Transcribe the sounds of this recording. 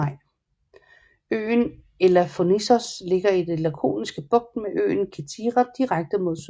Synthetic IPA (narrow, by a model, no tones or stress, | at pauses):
ɪ̰ | ø̰ːn | elɐfo̝nisɒsle̝ɡ̥ɐid̥elækʰo̝̰ːnisɡ̥əb̥ɔ̽ɡ̥̚d̥meʔø̰ːnkʰet͡sʰiːʁad̥iʁaɡ̥̚d̥əmo̝ð̰ˠs